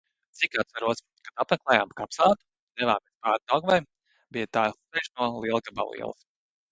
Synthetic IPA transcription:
t̪sikat̪svaɾuɔs | kad̪at̪mɛklˠɛːjaːmkapsaːt̪u̥ | d̪ɛvaːmespaːɾ̚d̪awɡvɛj | bijat̪aːsɛjʃnuɔlˠiɛlˠkaba̰lˠḭɛ̰l̰ˠ

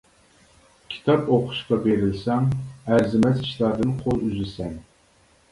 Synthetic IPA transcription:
kʲʰi̥t̪ʰɑpoqʰʊ̥ʃqɑbeɾɪlsɛŋæɾzɪmɛziʃlˠɑɾd̪ɨnqʰolˠyzɪsɛŋ

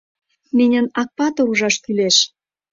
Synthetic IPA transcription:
menʲə̆nɑk̚pɑt̪ŏuʒɑʃkyleʃ

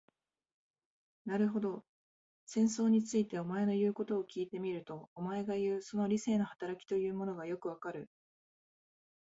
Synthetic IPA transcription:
naɾɯ̟ɦo̞d̪o̞ | sẽ̞ɰ̃s̬o̞ːɲ̟it͡sɨit̪e̞o̞mae̞no̞jɯ̟ːko̞t̪o̞ːkʲiːt̪e̞mʲiɾɯ̟t̪o̞ːmae̞ɡajɯ̟ːso̞no̞ɾʲise̞ːno̞hḁt̪aɾakʲi̥t̪o̞jɯ̟ːmo̞no̞ɡajo̞kɯ̟β̞akaɾɯ̟

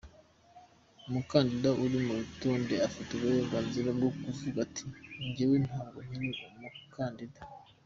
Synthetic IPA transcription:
umukaːndidaʔuɾimuβitoːndeafiteɡajoɡaːnziɾabɡokuvuɡatʰi̥ɲɟewin̥haːŋɡoɲiɾiumukʰaːndida

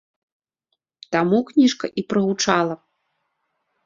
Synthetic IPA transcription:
t̪amuknʲiʂkɐ̰ʔipɾɐɣut͡ʂalˠɐ

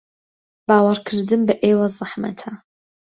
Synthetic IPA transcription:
baːwɐɾkʰɨɾd̪ɨmbɨʔeːwɐzˤɨħmɐ̰t̪ʰa

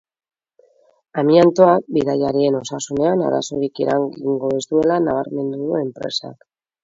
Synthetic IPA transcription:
amiant̪o̞ak̚biðajaɾie̞no̞sasune̞ana̰ɾa̰so̞ɾikiɾaŋɡiŋɡo̞est̪ue̞lanaβ̞aɾme̞nd̪uðe̞mpɾe̞̰sa̰k

